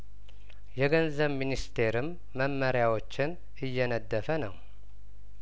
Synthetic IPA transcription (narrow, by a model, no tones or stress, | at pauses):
jɛɡənzəβminist̪ʰe̞ɾɨmː | əmːəɾjawo̞t͡ʃːɪn | ʔɨjːɛnəd̪ːəfənəw